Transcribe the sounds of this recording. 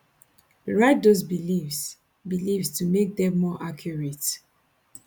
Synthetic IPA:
ɹaɪt̚dosbilivs | bilivstumek̚dɛ̃mːɔʔakʰjuɹet

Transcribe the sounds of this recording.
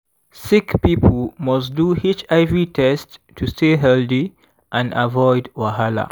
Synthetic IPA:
sikpipʰəlmɔsduhit͡ʃaɪvɹitʰɛstːʰ | ustʰeɦɛldi | ʔãnavɔɪdwahala̰

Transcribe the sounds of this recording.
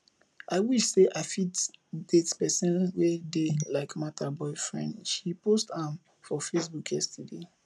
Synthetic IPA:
aɪwiʃseʔafitdetpɛsɛ̃nwedelaɪkmatʰabɔɪfɹɛ̰̃ndʃiposthãm | fɔfesbukʰjɛstude

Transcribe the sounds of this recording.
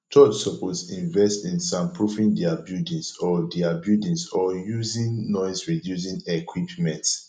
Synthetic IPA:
t͡ʃɔt͡ʃsɔpɔsĩɱvɛstĩnsãmpɹufĩndiabjudĩnsɔdiabjudĩnsɔjuzĩnnɔɪsɹidjus̬ĩnɛkʰwipmɛ̃nt

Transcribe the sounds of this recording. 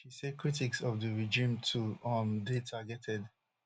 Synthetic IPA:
ʃisɛd̚kɹitiksɔvdəɹɛd͡ʒĩmtʰuamdetʰaɡɛtʰɛd

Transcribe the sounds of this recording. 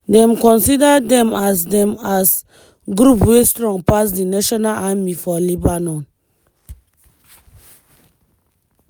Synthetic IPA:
dɛ̃mkɔ̃nsidədɛ̃mas̬dɛ̃mas | ɡɾupwestɹɔ̃ŋpas̬dinaʃɔnalamifɔlibanɔ̃n

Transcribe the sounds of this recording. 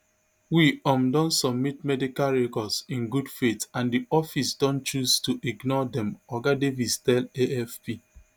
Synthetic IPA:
wiɔ̃mdɔ̃nsɔb̚mitmɛdikalɹekɔsĩnɡudfetãndiɔfisdɔ̃nt͡ʃuztuʔiɡnɔdɛ̃mɔɡadevistɛleɛfpi

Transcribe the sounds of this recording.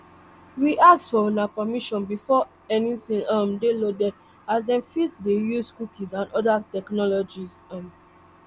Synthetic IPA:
wiʔak̚sfɔɔ̃napɔmiʃɔ̃nbifɔ | ɛnĩtĩnãmdelodɛd | azdɛ̃mfitsdejuzkukʰĩzãnɔdatɛknɔlɔd͡ʒiz | ãm

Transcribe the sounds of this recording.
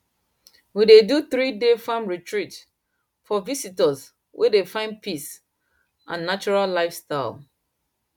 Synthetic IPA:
wideduθɹidefãmɹitʰɹit | fɔvisitəz | wʔḛdefãɪ̃npis | ʔã̰nːat͡ʃɔɹallaɪfstaɪl

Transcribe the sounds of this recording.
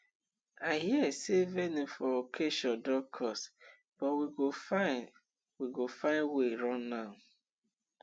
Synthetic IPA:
aɪɦiɛsevɛnifɔokʰeʃɔ̃ndɔkʰɔs | b̥ɔwiɡofaɪ | wiɡofãɪ̃nweɾɔ̃nːaʊ

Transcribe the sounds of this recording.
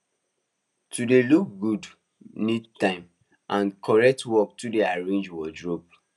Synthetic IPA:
tudeluk̚ɡud | nidtãɪ̃m | ʔãnkʰɔɹɛk̚twɔk̚tudeaɹẽnd͡ʒwɔdɹop̚

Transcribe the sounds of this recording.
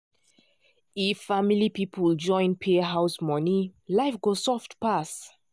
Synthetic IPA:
ifːamilipipʰəld͡ʒɔ̃ɪ̃npʰeɦaʊsmɔnilaɪfɡosɔftpas

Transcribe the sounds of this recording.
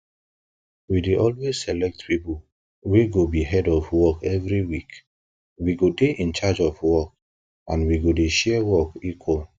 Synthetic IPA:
wideʔɔlwez̥sɛlɛk̚tpipol | weɡobiɦɛdɔfwɔkɛvɹiwik | wiɡodeʔĩnt͡ʃad͡ʒɔfwɔk | ãnwiɡodeʃɛwɔkikʰwɔl

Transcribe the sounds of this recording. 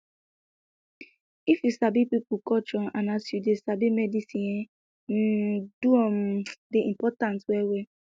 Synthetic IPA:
ifjusabipipukɔt͡ʃɔanasjudesabimɛdisĩe | n̩duɔm̩deimpɔtãntwewe

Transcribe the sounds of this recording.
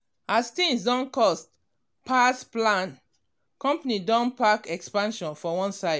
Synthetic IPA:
astĩŋsdɔ̃nkɔst | pʰasplãn | kɔ̃mpanidɔ̃npakɛkspãnʃɔ̃nfɔwɔ̃nsaɪd

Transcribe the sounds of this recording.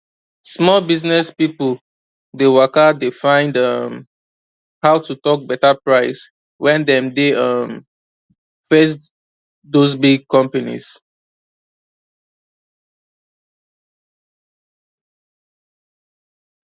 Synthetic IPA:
smɔlbiznɛspipəl | dewakadefãɪ̃ndʌm | hawtutɔk̚bɛtapɹaɪs | wʔɛ̃ndɛ̃mdeʌm | fes̬ | dozbiɡ̚kʰɔ̃mpanḭs

